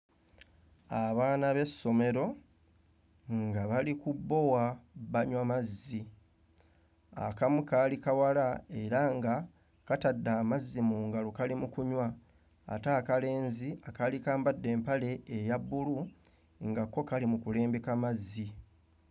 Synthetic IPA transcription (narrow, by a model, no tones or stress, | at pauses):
aβaːnaβe̞sːo̞me̞ɾo̞ | ŋɡaβalikubːo̞waβaɲwamazːi | a̰kamukalikawalae̞ɾaŋɡa | katadːaːmazːimuːŋɡalokalimukuɲwa̰ː | taːkale̞ːnziakalikaːmbadːe̞ːmpale̞ːjabːulu | ŋɡakːo̞kalimukule̞ːmbekamazːi